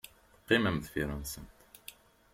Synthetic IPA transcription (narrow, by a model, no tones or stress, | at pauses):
qːiməmðfiɾˤənsənt̪